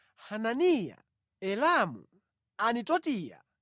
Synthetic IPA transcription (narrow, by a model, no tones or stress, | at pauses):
hananija̰ | ɛlamṵ | anitɔtiːja̰